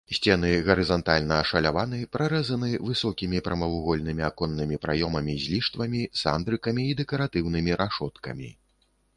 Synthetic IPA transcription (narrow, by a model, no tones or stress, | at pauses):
sʲt͡sʲɛn̪ɨɣɐɾɨzɐnt̪alʲnɐːʂɐlʲavanɨpɾʔaɾɛzɐnɨvɨsɔkʲimʲipɾɐmɐwuɣɔlʲnɨmʲiakɔnːɨmʲipɾajɔmɐmʲizʲlʲiʂt̪vɐmʲisa̰nd̪ɾɨkɐmʲiːd̪ɛkɐɾat̪ɨwnɨmʲiɾʔaʂɔt̪kɐ̰mʲḭ